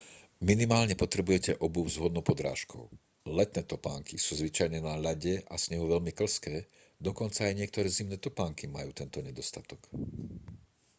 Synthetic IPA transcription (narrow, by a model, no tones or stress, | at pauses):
minimaːlɲɛpɔt̪ɾɛbujɛcɛʔɔbuzɦɔd̪nɔʊpɔd̪ɾa̰ːʃkʰɔ̰ʊ | lɛt̪nɛːt̪ɔpaːŋkisuːzʋit͡ʃajɲɛnaʎaɟɛʔa̰sɲɛɦuʋɛʎmikl̩skɛː | d̪ɔkɔnt͡saːjɲɪɛkt̪ɔɾɛːzimnɛːt̪ɔpaːŋkimajuːt̪ɛnt̪ɔɲɛd̪ɔst̪at̪ɔk